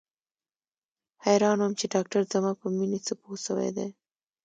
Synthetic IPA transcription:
hajɾɑːnwʊmt͡ʃeɖɑk̚ʈaɾzamɑpəminisəposəwḛd̪ḛ

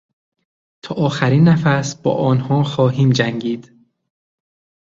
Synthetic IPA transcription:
t̪ʰɒːʔɒːxæɾiːnːæfæsb̥ɒ̰ːʔɒːnhɒːxɒːɦiːmd͡ʒæŋɟiːd̪̥

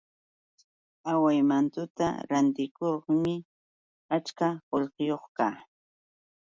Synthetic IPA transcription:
awajmant̪ʊt̪a̰ɾant̪ɪkoχmɪ | at͡ʃkaɢoʎqɪjoχkaː

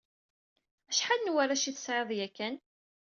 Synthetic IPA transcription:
æʃħalnwaɾæʃiθə̥sʕeðˤjækːæn

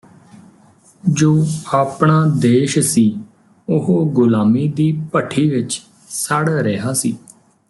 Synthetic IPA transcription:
d͡ʒoːaːpɳaːd̪eːʃsiː | ʊɦoɡʊlaːmiːd̪iːpəʈʰiːʋɪt͡ʃ | saɽɾeɦaːsiː

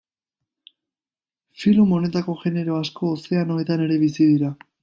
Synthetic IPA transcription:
filomo̞ne̞t̪ako̞ʝe̞ne̞ɾo̞asko̞ːse̞ano̞et̪ane̞ɾe̞βisiðiɾa

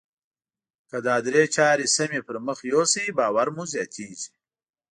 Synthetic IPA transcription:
kəd̪aːd̪ɾeːt͡ʃaːɾisɐmepəɾməxjosibaːwaɾmuzjɑːt̪ʰiːʒi̥

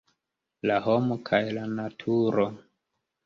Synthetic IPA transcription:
laɦomokʰajlanatʰuɾo

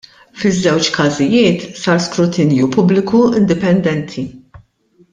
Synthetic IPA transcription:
fɪzːɛwt͡ʃkɐzɪjɪːt̪sɐːɾskɾʊt̪ɪnjupʊblɪkuɪnd̪ɪpɛnd̪ɛnt̪ʰi

